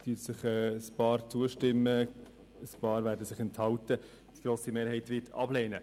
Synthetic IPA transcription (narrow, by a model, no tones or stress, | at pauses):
tytsɪχɛːspɑːɾt͡suəʃtɪmːə | əspɑːɾvæːɾdəsɪχɛnthɑwtə | d̥iɡ̥ɾoːsimeːɾɦɛɪtvɪtʰɑ̰b̥leːnə